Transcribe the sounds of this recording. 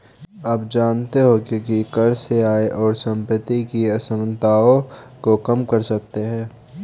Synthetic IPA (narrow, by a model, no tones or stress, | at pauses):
ɐpd͡ʒaːnt̪eɦokikikɐɾseaːeʔɔːɾsə̃mpət̪ikiɐsəmnt̪aːõkokɐmkəɾsɐkt̪eɦɛ̃ː